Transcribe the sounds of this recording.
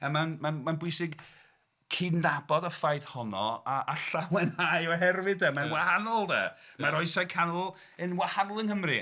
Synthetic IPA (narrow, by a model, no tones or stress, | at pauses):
amanmanmanbwʊjsɪɡ | kʰinabɔdafajðhɔnɔaʔaɬawɛnhajɔɦɛrwɨdɛmanwahanɔlˠdɛ̰maɾɔɨsakʰanɔlˠ | ɨnwahanɔlˠənhəmri